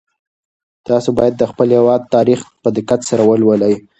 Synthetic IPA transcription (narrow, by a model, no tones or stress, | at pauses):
t̪ɑsobɑjad̪ːəxpəlhewɑd̪̚t̪ɑɾixpəd̪ɪkat̪saɾawəlwələj